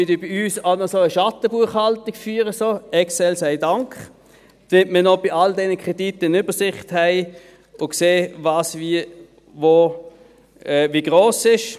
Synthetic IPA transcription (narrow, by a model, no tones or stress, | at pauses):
ydibɪyːsaʊnɔsoəʃɑtəbuɐχhaltiɡ̥fyːʁəsoːɛksɛlsæɪdaŋkχ | d̥mɪt̚mənɔb̥ɪʔaldɛnəkʰʁ̥ɛditəɪnyb̥əsɪχthɛɪ | ʊkseːvɑːsvi | vo | ɛviɡ̥ʁoːsɪʃ